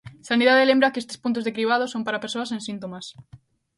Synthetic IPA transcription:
saniðaðelembɾakest̪e̥spunt̪̬ʊzðekɾiβ̞að̞osompaɾapeɾsoasẽnsint̪omas

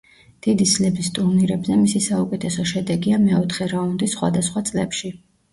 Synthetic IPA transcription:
d̪̥id̪islɛbist̪ʼuɾniɾɛbzɛmisisaukʼɛt̪ʰɛsɔʃɛd̪ɛɡiamɛɔt̪ʰχɛɾaund̪isχwa̰d̪asχwat̪sʼlɛpʃi

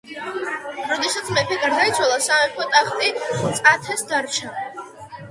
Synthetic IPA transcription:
ɾɔd̪ɛsat̪sʰmɛpʰɛɡaɾd̪ait̪sʰwalˠasamɛpʰɔt̪ʼaχt̪ʼit̪sʼat̪ʰɛsd̪aɾt͡ʃʰa

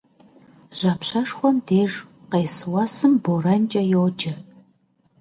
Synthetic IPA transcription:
ʑ̥ɐːpɕɐʂxʷɔmdeːʒqeːsɨwɐsɨmborɐnt͡ʃʼɐjowd͡ʒɪ

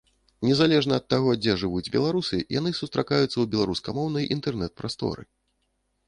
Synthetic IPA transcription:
nʲɛzalʲɛʐnɐːt̪ːaɣɔd͡zʲɛʐɨvud͡zʲbʲɛ̰lˠaɾusɨja̰nɨsust̪ɾakajut̪sːɐwbʲɛlˠaɾuskɐmɔwnɐjʔint̪ɛrnɛt̪̚pɾast̪ɔ̰ɾɨ̰

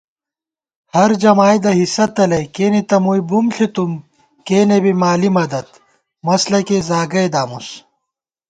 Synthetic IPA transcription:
hɐɾd͡ʑɐmaːjd̪ɐɦisɐt̪ɐlɐjkeːnit̪ɐmujbumɬit̪um | keːnebimaːlimɐd̪ɐt̪ | mɐslɐkezaːɡɐjd̪aːmus

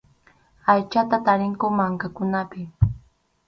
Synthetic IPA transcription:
ajt͡ʃat̪at̪aɾɪŋkʊmaŋkakʊnapɪ

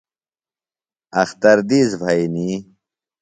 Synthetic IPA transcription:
ɐxt̪ɐɾd̪izvʱɐjni

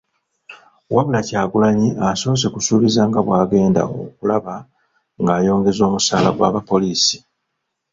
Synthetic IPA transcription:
waβulacaːɡulaɲiaso̞ːs̬e̞kusuːβizaːŋɡaβwaːɡe̞ːnda̰o̰kulaβa | ŋɡaːjo̞ːŋɡe̞zo̞ːmusaːla̰ɡwa̰ːβapo̞liːsi̥

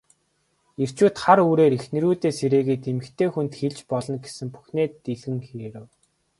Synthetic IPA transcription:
er̥t͡ɕuːt̪χaɾuːɾeːɾixnɘ̆ɾuːt̪eːseɾeːɣeːt̪emɘ̆kt̪ʰeːxunt̪xeɮt͡ɕpɔɮɞ̆nɡesɘ̆mpu̥xneːt̪ːeɮɣɘ̆ŋxeːɾɘ̆w

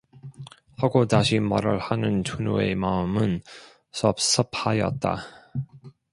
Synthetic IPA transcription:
haɡotaɕʰimʌɾɯɭhanɯntuno̰e̞maɯmɯn | sʰʌp̚s͈ʰʌpʰhajʌ̰t̚t͈a̰

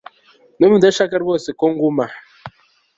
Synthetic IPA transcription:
nemudɛʃakɛɾbɔsekɔŋ̩ɡuma

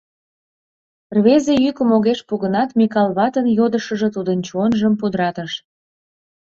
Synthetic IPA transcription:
rβezejykəmoɣeʃpuɣənɑt̪mʲikɑlˠβɑt̪ənjod̪əʃə̆ʒĕt̪ud̪ənt͡ɕuonʒəmpud̪əɾɑt̪əʃ

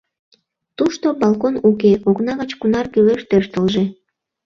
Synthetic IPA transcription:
t̪uʃt̪obɑlˠkonukeʔoknɑɣət͡ɕkunɑrkyleʃt̪ørt̪əlʒĕ

